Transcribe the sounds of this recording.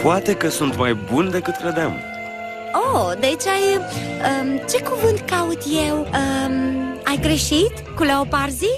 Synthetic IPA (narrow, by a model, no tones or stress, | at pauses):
poat̪e̞kəsunt̪majbund̪e̞kɨt̪kɾed̪am | od̪eit͡ʃajət͡ʃe̞kuvɨnt̪kaut̪jewə | ajɡɾeʃit̪kuleopaɾzi